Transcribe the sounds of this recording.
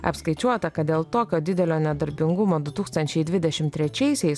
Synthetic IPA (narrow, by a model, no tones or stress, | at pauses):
ɐ̰pskɐɪt͡ʃʲuɔt̪ɐkɐt̪̚d̪ʲeːlˠt̪oːkʲoːd̪ʲɪd̪ʲɛlʲoːnʲɛd̪ɐɾʲbʲɪŋɡʊmoːd̪ʊt̪uːkst̪ɐnʲt͡ʃʲɛɪd̪ʲʋʲɪd̪ʲɛʃʲɪmt̪ʲɾʲɛt͡ʃʲɛɪsʲɛɪs